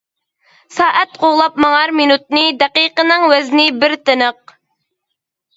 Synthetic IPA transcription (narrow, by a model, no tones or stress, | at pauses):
sɑːʔɛt̪qʰoʁlˠɑp̚mɑŋɑɾminut̪̚nɨd̪ɛqiqənɨŋwɛznɪbɪɾt̪ɨnəq̚